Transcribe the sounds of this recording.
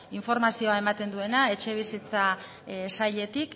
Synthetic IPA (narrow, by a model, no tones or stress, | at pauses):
iɱfo̞ɾmasio̞ae̞mat̪e̞nd̪ue̞nae̞t͡ʃe̞β̞isit͡sa | saʎe̞t̪ik